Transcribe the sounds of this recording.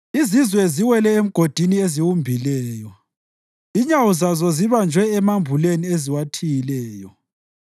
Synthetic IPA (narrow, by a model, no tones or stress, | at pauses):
izizwɛziwɛlɛem̩ɡ̥ʱod̥ʱinieziwumbʱilɛːjɔ | iɲawuzazɔziβand͡ʒʱwɛːmambʱulenieziwatʰijilɛːjɔ